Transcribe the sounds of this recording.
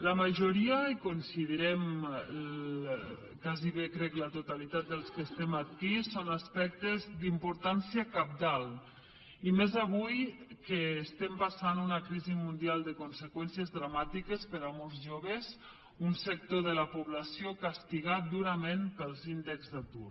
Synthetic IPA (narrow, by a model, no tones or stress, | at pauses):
ləməʒuɾiəikunsiðəɾɛm | kaziβekɾɛklət̪ut̪alit̪at̪̚d̪əlˠskəst̪ɛmat̪kisonaspɛk̚t̪ezd̪impuɾt̪ansiəkap̚d̪alˠ | imezaβ̞ujkəːst̪ɛmpasanunakɾizimund̪ialˠd̪əkunsəkwɛnsjəzðɾamat̪ikəspəɾamolˠzʒoβəz | unsək̚t̪oðələpuβlasiokast̪iɣat̪̚d̪uɾəmenpəlˠzind̪ekzðat̪ur